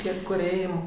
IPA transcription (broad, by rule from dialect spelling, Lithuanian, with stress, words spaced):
ˈtʲiɛ ˈkʊr ˈeːjɛʊ